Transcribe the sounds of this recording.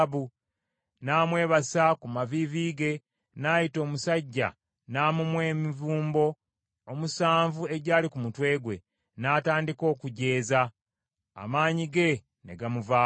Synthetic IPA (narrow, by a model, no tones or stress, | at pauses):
βu | naːmwe̞ːβasakumaviviːɡe̞ | naːjito̞ːmusaɟːa̰ | naːmumwe̞ːmivuːmbo̞ː | musaːɱvue̞ɟaːlikumutwe̞ːɡwe̞̰ | naːtaːndiko̞ːkuɟe̞ːza | a̰maːɲiɡe̞ | ne̞̰ɡamuvaː